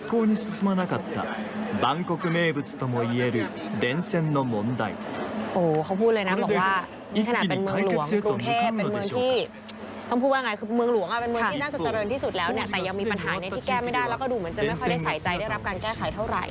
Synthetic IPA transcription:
ikːoː˧ɲ̟isɨsɨ˧manaka˨t̪ːa̰˨ba˦ŋkokɯme̞ː˧bɯt͡sɯ̥t̪omoie̞ɾɯ | d̪e˦nsẽ˧nːo˧mõ˨˦nd̪a̰˨jʔoː˨˩kʰa˦˥wpʰuː˥˩lɤː˧jna˦˥bɔː˨˩kwaː˥˩ | miː˧kʰna˨˩pe˧nmɯ˧əlu˩˦əŋkɾu˧ŋt̪ʰeː˥˩penmɯ˧əŋʰiː˥˩ | t̪ɔ˥˩pʰuː˥˩waː˥jŋa˧kʰɯː˧mɯ˧əŋlu˩˦əŋʔa˨˩pe˧nmɯ˧əŋ˩iː˥na˥˩t͡ɕa˨˩t͡ɕa˧ɾɤː˧nt̪iː˥˩su˨˩t̪̚lɛː˦˥wni˥˩ɐt̪ɛː˨˩ja˧ŋmiː˧pa˧nɦaː˩˦ni˧iː˥kɛː˥˩ma˥˩jda˧˥˩jlɛː˦˥kɔː˥˩duː˧mɯ˩˦nt͡ɕa˨˩m˥˩kʰda˥˩saa˦jt͡ɕa˧jda˥˩jɾa˦˥p̚kaː˧nkɛː˥˩kʰa˨˩˦jt̪ʰa˥˩wɾa̰˨˩j

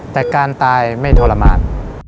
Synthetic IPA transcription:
t̪ɛː˨˩kaː˧nt̪aː˧jma˥˩jt̪ʰɔː˧la˧ma̰ː˧n

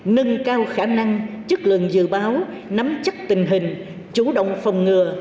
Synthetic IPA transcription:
nɨ˧ŋkaː˧wxaː˧˩na˧ŋt͡ɕɨ˦˥k̚lɨ̰˧˨əŋzɨ̰˧˨ɓaː˨˦w | na˨˦mt͡ɕə˦˥t̚t̪ï˨˩ŋ̟ɦï˨˩ŋ̟ | t͡ɕu˧˩˦ɗə̰˧˨wŋ͡mfə˨˩wŋ͡mŋɨ˨˩ə

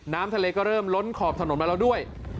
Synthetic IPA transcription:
naː˦˥mt̪ʰa˧leː˧kɔː˥˩ɾɤː˥˩mlo˦˥nkʰɔː˨˩p̚t̪ʰa˧no˩˦nma˧˦la˧wdu˥˩əj

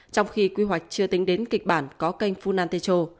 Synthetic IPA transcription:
t͡ɕɔ˧wŋ͡mxi˧kwi˧ɦwa˨˩jk̟̚t͡ɕɨ˧ət̪ï˨˦ŋ̟ɗe˨˦nkï˨˩k̚ɓaː˧˩nkɔ˨˦ka˧jŋ̟fu˧naː˧nt̪e˧t͡ɕo˧

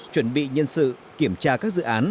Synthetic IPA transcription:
t͡ɕwə˧˩nɓḭ˧˨ɲə˧nsɨ̰˧˨ | ki˧˩əmt͡ɕaː˧kaː˦˥k̚zɨ̰˧˨ʔaː˨˦n

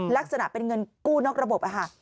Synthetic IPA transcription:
la˦˥k̚sa˧na̰˨˩ʔpe˧nŋɤ˧nkuː˥˩nɔː˦˥k̚ɾa˧bo˨˩p̚ʔa˨˩kʰa˥˩

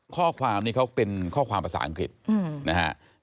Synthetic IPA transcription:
kʰɔː˥˩kʰwaː˧mniː˥˩kʰwpe˧nkʰɔː˥˩kʰwaː˧mpa˧sa̰ː˩˦ʔa˧ŋkɾi˨˩t̪̚na˦˥ka̰˦˥ʔ

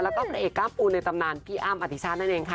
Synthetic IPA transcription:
lɛː˦˥wkɔː˥˩pa˧˥ʔeː˨˩kːaː˧˥˩mpʰuː˧nːa˧jt̪a˧mnaː˧nt̪ʰiː˧˩ʔaː˧˩˨mʔa˨˩t̪ʰi˧˩t͡ɕʰaː˦˥t̪̚na˥˩ʔeː˧ŋkʰa˦˧

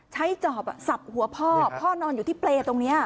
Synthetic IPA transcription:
t͡ɕʰa˦˥jt͡ɕɔː˨˩p̚sa˨˩p̚hu˨˩˦ɐpʰɔː˥˩pʰɔː˥˩nɔː˧njuː˨˩t̪ʰiː˥˩pleː˧t̪o˧ŋni˦˥ɐ

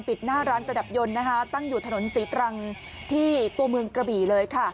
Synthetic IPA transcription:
npi˨˩t̪̚naː˥˩ɾaː˦˥nɾa˧da˨˩p̚jo˧nːa˦˥kʰa˦˥t̪a˥˩ŋjuː˨˩t̪ʰa˧no˨˩˦nsiː˩˦t̪ɾa˧ŋ | t̪ʰiː˥˩t̪u˧ɐmɯ˧əŋkɾa˧biː˨˩lɤː˧jkʰa˥˩

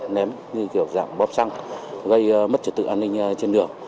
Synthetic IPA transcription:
nɛ˨˦m | ɲɨ˧ki˧˩əwza̰ː˧˨mɓɔ˦˥p̚sa˧ŋɣə˧jmə˦˥t̚t͡ɕə˧˩t̪ɨ̰˧˨ʔaː˧nːï˧ŋ̟t͡ɕe˧nɗɨ˨˩əŋ

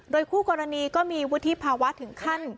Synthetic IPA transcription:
doː˧jkʰuː˥˩kɔː˧ɾa˧niː˧kɔː˥˩miː˧wu˦˥t̪ʰi˦˥pʰaː˧wa˦˥t̪ʰɯ˨˩˦ŋkʰa˥˩n

